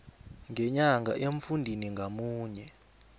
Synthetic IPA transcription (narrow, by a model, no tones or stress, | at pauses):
ŋɡɛɲaŋɡʱa̰ʔeɱfundʱiniŋɡʱamuːɲɛ